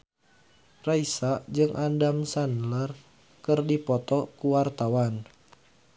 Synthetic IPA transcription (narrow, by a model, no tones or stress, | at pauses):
raisad͡ʒɨŋʔandamsanlər | kɨrdipɔt̪ɔkuwart̪awan